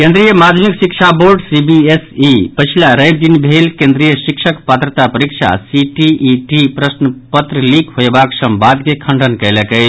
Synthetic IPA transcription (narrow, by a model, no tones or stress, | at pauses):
kẽnd̪ɾijəmad̪ʱmiksikt͡ʃʰaboɾɖsibiesipət͡ʃʰilaɾəjb̚d̪inbʱelkẽnd̪ɾijəsikʃʰəkpat̪ɾət̪apəɾikt͡ʃʰa̰siʈiʔːʈipɾəsnəpət̪ɾəlikɦoebaksəmbad̪kekʰəɳɖʱənkəjləkəj